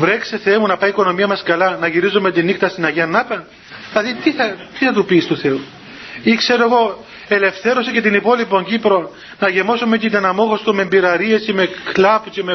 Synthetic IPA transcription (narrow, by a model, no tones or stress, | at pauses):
vɾe̞kseθemunɐpɐjiko̞no̞miɐmɐskɐlɐnɐʝiɾizome̞t̪inixt̪ɐst̪inɐʝiɐnːɐpɐn | lɐðit̪iθɐt̪iθɐt̪upist̪uθe̞u | ikse̞ɾoeɣo̞ | e̞le̞fθe̞ɾosecet̪inipo̞lipo̞ɲɟipɾo̞ | nɐʝemo̞sumet̪it̪ɐnɐmo̞ɣo̞st̪omembiɾɐɾiesimeklɐpuceme